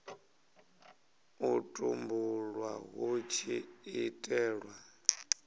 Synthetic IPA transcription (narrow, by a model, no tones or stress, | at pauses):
utʼumbulwaɦot͡ʃʰiitʼɛːɺwa